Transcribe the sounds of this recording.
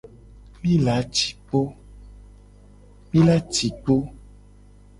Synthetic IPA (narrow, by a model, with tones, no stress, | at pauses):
mĩ˦la˨˦t͡ʃi̥˨k͡po˦ | mĩ˦la˦t͡ʃi˨k͡po˦